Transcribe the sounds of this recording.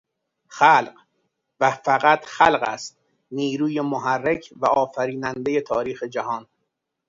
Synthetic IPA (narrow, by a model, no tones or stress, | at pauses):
xælɢ | væfæɣæt̪ʰxælɢæ̰st̪̚ | niːɾuːjemoɦærːecʰvæɒːfæɾiːnænd̪e̞je̞t̪ʰɒːɾiːxe̞d͡ʒæhɒːn